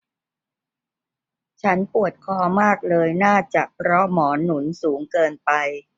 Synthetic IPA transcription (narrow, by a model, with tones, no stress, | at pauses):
t͡ɕʰa˦˥npu˨˩ət̪̚kʰɔː˧maː˥˩k̚lɤː˧jnaː˥˩t͡ɕa˨˩ʔpʰɾɔ˦˥mɔː˩˦nu˩˦nsuː˩˦ŋkɤː˧npa˧j